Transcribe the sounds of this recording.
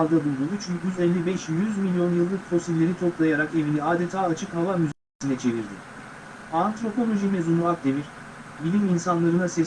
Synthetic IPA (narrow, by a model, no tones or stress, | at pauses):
lˠd̪abulˠd̪ud̪ut͡ʃʰyɲyzɛlːʲibɛʃjyzmilʲijo̞njɯlˠːɯk̚pʰɾo̞sillʲe̞ɾit̪ʰo̞plˠajaɾake̞viniaːd̪et̪ʰaːt͡ʃʰɯkhavamyzsinɛt͡ʃʰe̞viɾd̪ḭ | ant̪ɾo̞pʰo̞lʲˠo̞ʒimezunvak̪̚d̪eviɾ | bilʲiminsanlˠaɾɯnasɛ